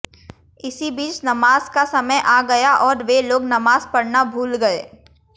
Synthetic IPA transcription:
ɪsibiːt͡ʃnɐmaːzkasɐməjʔaːɡɐjaʔɔːɾʋeloːɡnɐmaːzpɐɽnabʱuːlɡɐḛː

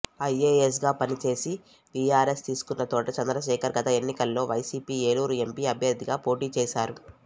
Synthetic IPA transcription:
ɐjeːes̬ɡaːpɐnit͡ʃe̞ːsi | bijaːɾe̞st̪iːsu̥kunːɐt̪ɔːʈɐt͡ʃɐnd̪ɾɐʃɛːkɐɾɡɐt̪ɐe̞nːikɐlːo̞ːʋɐjsiːpiːeːluːɾue̞mpiːɐbʱjɐɾd̪iɡaːpo̞ːʈiːt͡ʃɛːʃaːɾu

